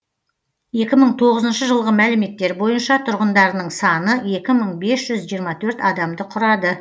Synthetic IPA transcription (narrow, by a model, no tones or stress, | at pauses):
je̞kʲɪməɴt̪ʰo̞ʁəzənʃəʒəlˠʁəmælɪme̞t̪ːe̞ɾbo̞jənʃɑt̪ʰʊɾʁənd̪ɑɾnəɴsɑnəje̞kʲɪməɴbe̞sʒ̥ʏzʒijəɾmɑt̪ʰɵɾt̪ɑd̪ɑmd̪əqʰʊɾɑd̪ə